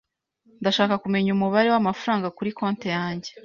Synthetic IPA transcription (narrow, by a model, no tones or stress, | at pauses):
ndaʃaːkakume̞ɲumuβaɾe̞wamafuɾaːŋɡakuɾikoːnte̞jaːɲɟe̞